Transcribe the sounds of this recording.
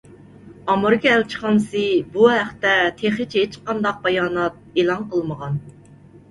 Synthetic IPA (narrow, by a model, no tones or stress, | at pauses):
ɑmɨɾɨkʲɛælt͡ʃʰə̥χɑnsɨbuɦæχt̪ɛt̪ʰeχɪt͡ʃʰet͡ʃqɑnd̪ɑq̚bɑjɑːnɑt̪̚elˠɑnqəlˠməʁɑn